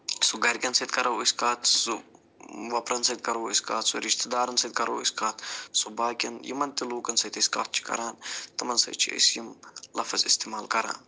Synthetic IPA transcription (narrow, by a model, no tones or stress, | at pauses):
suɡɐɾʲkʲɐnsɐt̪̚kɐɾɐwisʲkaːt̪su | ʋɐpɾɐnsɐd̪̚kɐɾoːisʲka̰ːt̪suɾiʃt̪ɐd̪aːɾɐnsɐd̪̚kɐɾoːḭskaːt̪ʰsubaːkʲɐnjḭmɐnt̪iluːkɐnsɐt̪ɐsʲka̰ːt̪̚ʰt͡ʃʰi̥kɐ̰ɾaːnt̪ɐmɐnsɐ̰jt͡ʃʰḭɐ̰sjimlɐfɐzist̪emaːlkɐɾa̰ːn